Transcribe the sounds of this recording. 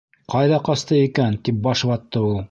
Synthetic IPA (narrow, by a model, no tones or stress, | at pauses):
qɑjðɑqɑst̪ɤikænt̪ip̚bɑʃβɑt̪ːɤulˠ